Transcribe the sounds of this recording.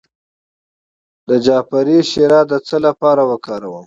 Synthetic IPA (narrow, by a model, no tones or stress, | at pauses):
d̪əd͡ʒɑːpaɾiʃeɾɑd̪ət͡səlapɑɾawəkɑɾawəm